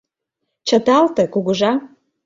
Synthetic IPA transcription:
t͡ʃʰatʰaltʰakʷuɡʷʊʐa

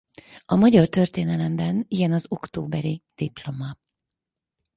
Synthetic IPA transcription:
ɒmɒɟɒrt̪ø̞rt̪eːnɛlɛmbɛnijɛnɒzo̞kt̪o̰ːbɛɾid̪̥iplo̞mɒ

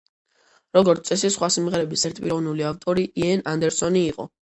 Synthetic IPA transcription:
ɾɔɡɔɾt̪sʼɛsisχwasimʁɛɾɛbisɛɾt̪̚ʰpʼiɾɔvnuliaft̪ʼɔɾiʔiɛnand̪ɛɾsɔniːqʼɔ̰

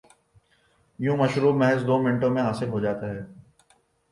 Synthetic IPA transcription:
jũːmɐʃɾuːbmɛɦɛzd̪oːmɪ̃ɳʈõmẽɦaːsɪlɦoːd͡ʒaːt̪aɦɛː

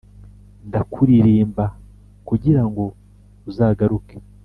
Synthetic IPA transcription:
ndakʰuɾiɾiːmba | kuɟiɾaŋɡo̞ | uzaːɡaɾuke̥

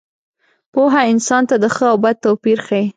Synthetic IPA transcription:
poɦaɪnsɑnt̪ad̪əxəawbad̪̚t̪awpiɾxai

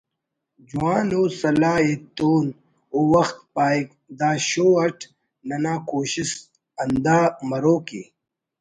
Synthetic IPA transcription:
d͡ʑuaːnoːsɐlaːet̪oːn | owɐxt̪̚paːik | d̪aːɕoːɐʈʰ | nɐnaːkoːɕis | ɐnd̪aːmɐɾoːkḭ

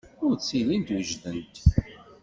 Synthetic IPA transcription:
ʊɾt͡sːilint̪wəʒðənt̪

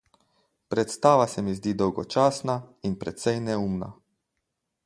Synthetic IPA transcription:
pɾɛt̪st̪aːʋasɛmizd̪iːd̪ɔwɡɔt͡ʃaːsnainpɾɛt̪sɛjnɛumna̰

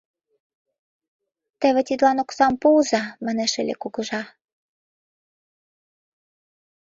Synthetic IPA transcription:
t̪ĕβĕt̪ʲid̪lɑnoksɑmpozɑmə̆nĕʃĕlʲḛkuɣɤ̆ʒɑ

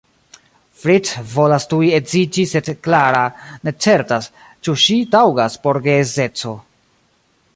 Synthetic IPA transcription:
fɾitvo̞lastuje̞zid͡ʒise̞dklaɾane̞t͡se̞ɾtas | t͡ʃuʃitawɡaspo̞ɾɡeze̞t͡so̞

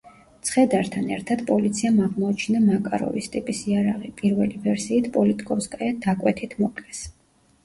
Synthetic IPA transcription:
t̪sʰχɛd̪aɾt̪ʰanɛɾt̪ʰad̪̥pʼɔlit̪sʰiamaʁmɔːt͡ʃʰnamakʼa̰ɾɔ̰vist̪ʼipʼisiaɾaʁipʼiɾvɛlivɛɾsiːt̪ʰpʼɔlit̪ʼikʼɔskʼajad̪akʼwɛt̪ʰit̪ʰmɔkʼlɛs

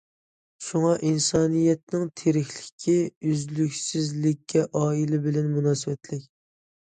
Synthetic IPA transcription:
ʃuŋɑʔinsɑːnijɛt̪̚nɪŋt̪ʰeɾɪxʲlɪ̥kʲʰːiyzlykʲsɪzlɪkʲːɛʔɑːilɪbɪlɛnmunɑːsɨwɛt̪lɪkʲ

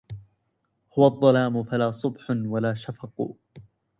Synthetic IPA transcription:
hʊwɑðˤːɑlaːmʊfalaːsˤʊbħʊnwalaːʃafɑqṵː

